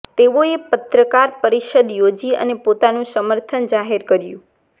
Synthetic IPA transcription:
t̪eʋoepət̪ɾəkaɾpəɾiʃəd̪jod͡ʒiə̰nepot̪anũsəməɾt̪ʰənd͡ʒaɦeɾkəɾjṵ̃

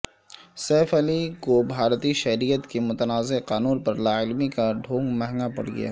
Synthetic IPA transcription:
sɛːfəlikobʱaːɾt̪iʃɛɦɾijət̪kemʊt̪ənaːzeqaːnuːnpɐɾlaːɪlmikaɖʱõːŋɡmɛɦŋɡapɐ̰ɽɡɐ̰ja̰

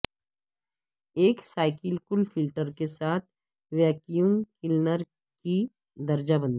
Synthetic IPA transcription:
eːksaːɪkɪlkʊlfʰɪlʈəɾkesaːt̪̚ʰ | ʋɛːkijunkɪlnəɾ | ki | d̪ɐɾd͡ʒabə̃nd̪

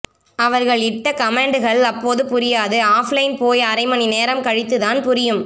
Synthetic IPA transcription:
ɐʋɐɾɣɐɭɪʈːɐkɐmeːɳɖɯɣɐɭɐpːoːðɯpʊɾɪjaːðɯaːflɐɪnpoːjɐɾɐɪmɐnineːɾɐmkɐɻɪt̪ːɯðaːnpʊɾɪjɯm

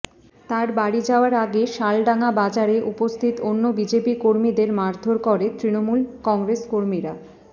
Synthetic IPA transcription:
t̪aɾbaɽid͡ʑaoaɾaɡeʃalɖaŋabad͡ʑaɾeʔupost̪ʰit̪onːobid͡ʑepikoɾmid̪eɾmaɾd̪ʱoɾkɔɾet̪ɾinomulkɔŋɡɾeskoɾmiɾa

